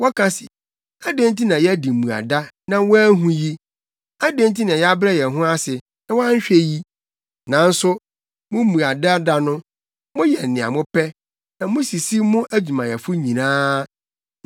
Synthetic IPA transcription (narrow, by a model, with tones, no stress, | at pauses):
wɔ˦kʰa˦sɪ˨ | a˦dẽ˦nti˦nã˨jɛ˦æ˦di˨mũ˨a̰˨da˦ | nã˨wɔ˦æ˦ɦũ˦ji˦ | a˦dẽ˦nt̬i˦nã˨jɛ˦a˦bɾɛ˦jɛ˨ɦʊ̃˦a˦sɪ˨ | a˦wa˦ɲ̩˦ɕᶣɛ˦ji˦ | nã˨n̩˦sʊ˦ | mʊ̃˦mũ˨a˨da˦da˦nʊ̃˦ | mʊ̃˦jɛ˨nɪ̃˨a̰˨mʊ̃˦pɛ˦ | nã˨mʊ̃˦si˨si˦mʊ̃˦ʔæ˦d͡ʑᶣu˨mã˨jɛ˨fʊ˦ɲĩ˨nãː˦